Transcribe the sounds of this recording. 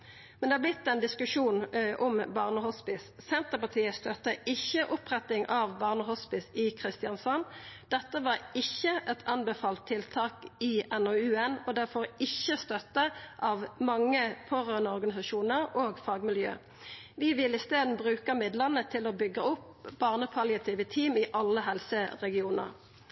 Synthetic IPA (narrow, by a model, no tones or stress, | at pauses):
mmɛnd̪ɛhɑːblɪt̪ːɛnd̪ɪskʉʂuːnʔɔmbɑːʁnəhɔspɪssɛnt̪əpɑt̪ʰiːəst̪œt̪ːəʔɪçːəʔʊpʁɛt̪ɪŋʔɑʋbɑːʁnəhɔspɪsɪkʰʁɪst̪ɪɑnsɔnd̪̥ɛt̪ːəʋɑːʁɪçːəʔɛt̪ʰɑnbɛfɑːlt̪ʰːɪlt̪ʰɑːkɪɛnoʉːɛnɔd̪æʁfɔʁɪçːəst̪œt̪əʔɑːʋmɑŋːəpʰoːʁøːʁnəɔʁɡɑnɪsɑʃuːnəʁoːɡfɑːɡmɪljø̰ː | ʋɪʋɪlɪst̪eːd̪n̩bʁʉːkəmɪd̪ləʁnət̪ʰɪloːbʏɡəʊp | b̥ɑːʁnəpʰɑljɑt̪ʰiːʋət̪ʰiːmɪʔɑlːəɦɛlsəʁɛɡɪuːnə̰ʁ